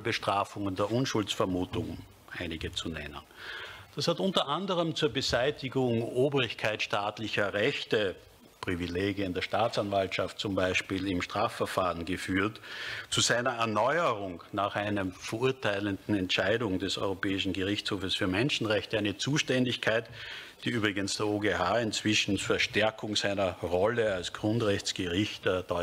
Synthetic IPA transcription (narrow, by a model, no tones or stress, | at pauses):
bəʃtʁ̥aːfʊŋəndeːɐʔʊnʃʊlt͡sfɛɐmuːtʊŋ | ʔaɪnɪɡət͡sunɛ̰nə̰nd̥ashatʊntɐʔandəʁəmt͡suːɐbəzaɪtɪɡʊŋʔoːbʁɪçkʰaɪtʃtaːtlɪçɐʁɛçtə | pʁ̥ivileːɡjəɪndeːɐʃtaːt͡sanvaltʃaft̚t͡sʊmbaɪʃpiːlɪmʃtʁ̥aːfːɛɐfaːʁənɡəfyːɐtt͡suzaɪnɐɛɐnɔʏəʁʊŋnaːχʔaɪnəmfɐʔuɐtʰaɪləndn̩ɛntʃæɪdʊŋd̥ɛsɔ̰ʏʁopɛːɪʃn̩ɡəʁɪçt͡shoːfəsfyːɐmɛnʃn̩ʁɛçtəæɪnət͡suːʃtɛndɪçkʰaɪt | d̥iːyːbʁɪɡənsd̥eːɐoːɡehaːɪnt͡sv̥ɪʃn̩fɛɐʃtɛɐkʰʊŋzaɪnɐʁɔləalsɡ̥ʁʊntʁɛçt͡sɡ̥əʁɪçtəd̥ɔʏ